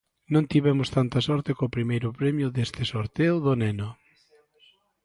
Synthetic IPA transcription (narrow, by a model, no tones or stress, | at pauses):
nõnt̪iβɛmʊst̪ant̪ɐsɔɾt̪ɪkoːpɾimejɾʊpɾemjʊðest̪ɪsoɾt̪eʊðʊnɛnʊ